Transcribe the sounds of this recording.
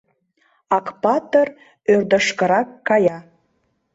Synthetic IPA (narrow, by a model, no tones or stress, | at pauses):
ɑkpɑt̪ər | ørd̪ə̆ʃkə̆ɾɑkːɑjɑ